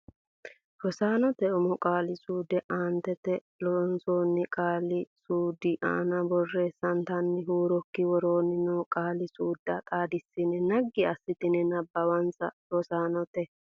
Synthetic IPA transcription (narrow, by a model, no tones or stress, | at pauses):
hɔsaːnɔt̪ɛʊmɔkʼaːlɪsuːd̪ɛʔaːnt̪ɛt̪ɛ | lɔnsoːnːɪkʼaːlɪsuːd̪ɪʔa̰ːnɐbɔrːeːsːɐnt̪ɐnːɪɦuːɾɔkːɪwɔɾoːnɪnɔkʼaːlɪsuːd̪ːɐkʼaːd̪ɪsːɪnɛnɐɡːɪɐsːɪt̪ɪnɛnɐbːɐwɐnsɐhɔsaːnɔt̪ɛ